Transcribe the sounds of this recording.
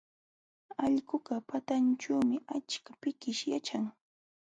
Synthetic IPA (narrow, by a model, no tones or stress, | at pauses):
ɑʎɢʊɢɑpat̪ant͡ʃaːmɪʔat͡ʃkḁpɪkɪʃjat͡ʃaŋ